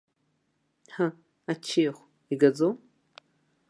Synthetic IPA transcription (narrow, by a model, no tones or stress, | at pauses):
ħa | at͡ʃʰiχʷ | iɡad͡zom